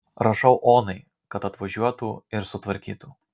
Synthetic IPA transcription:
ɾɐʃɐʊʔoːnɐɪ | kɐt̪ɐt̪ʋɐʒʲuɔt̪uːɪɾsʊt̪ʋɐɾʲkʲḭːt̪uː

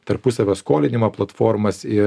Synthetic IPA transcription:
t̪ɐɾpʊsɐʋʲoːskoːlʲɪnʲɪmɐplˠɐt̪foːɾmɐsɪ

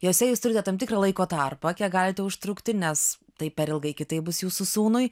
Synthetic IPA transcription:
jɛʊsʲɛjuːst̪ʊɾʲɪt̪ʲɛt̪ɐmt̪ʲɪkrɐːlˠɐɪkoːt̪ɑrpɐkʲiːkɡɑːlʲɪt̪ʲɛʊʃt̪ɾʊkt̪ʲɪnʲɛs | t̪ɐɪpʲɛɾʲɪlˠɡɐɪkʲɪt̪ɐɪp̚bʊsjuːsusuːnʊɪ

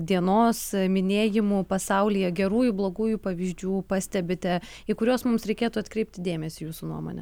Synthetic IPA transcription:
d̪ʲiɛnoːsmʲɪnʲeːjɪmuːpɐsɐʊlʲiːjɛɡʲɛɾuːjʊblˠoːɡuːjupɐʋʲiːzʲd͡ʒʲuːpɑːsʲt̪ʲɛbʲɪt̪ʲɛ | ɪkʊɾʲoːsmʊmsɾʲɛɪkʲeːt̪uɐt̪kɾʲɛɪp̚ʲt̪ʲɪd̪ʲeːmʲɛsʲɪjuːsʊnṵɔmo̰ːnʲɛ̰

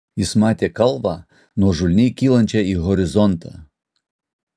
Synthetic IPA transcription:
jɪsmɑːt̪ʲeːkɐlˠʋɑː | nuɔʒʊlʲnʲɛɪkʲiːlˠɐnʲt͡ʃʲɛiːɣɔɾʲɪzɔnt̪ʰɑ̰ː

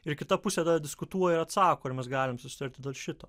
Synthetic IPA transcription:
ɪɾkʲɪt̪ɐpʊsʲeːd̪ɐd̪ʲɪskʊt̪uɔjɛɪɾɐt̪sɑːkoːɐɾmʲɛsɡɑːlʲɪmsʊsʲɪ̥t̪ɐɾʲt̪ʲɪd̪ʲeːlˠʃʲɪt̪oː

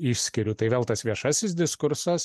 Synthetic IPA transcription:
ɪʃʲsʲkʲɪɾʲʊt̪ɐɪʋʲeːlˠt̪ɐsʋʲiɛʃɐsʲɪs̬d̪ʲɪskʊɾsɐs

